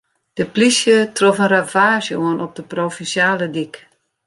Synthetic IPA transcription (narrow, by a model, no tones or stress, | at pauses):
d̥əplisjətrofənravaːʃəuənʔɔp̚d̥əprofinsjaːlədik